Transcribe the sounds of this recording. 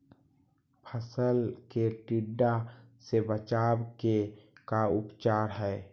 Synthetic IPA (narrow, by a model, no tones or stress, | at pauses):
pʰəsəlkeʈiɖːasebət͡ʃaːbkekaʊpt͡ʃaːɾɦɛː